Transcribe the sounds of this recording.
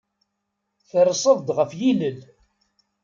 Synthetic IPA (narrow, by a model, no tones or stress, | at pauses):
θəɾsˤəðˤd̪ʁəfjiləl